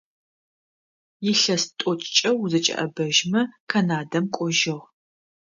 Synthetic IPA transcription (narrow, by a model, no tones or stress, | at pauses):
jɪɬɐstʼɔt͡ʃʼt͡ʃʼɐwzɨt͡ʃʼɐ̰ʔɐ̰bɐʒmɐkʰɐnaːdɐmkʷʼɔʒɨʁ